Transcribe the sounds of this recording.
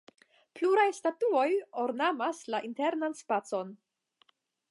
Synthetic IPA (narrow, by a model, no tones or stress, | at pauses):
pluɾajstatuojoɾnamaslaʔinte̞ɾnanspat͡so̞n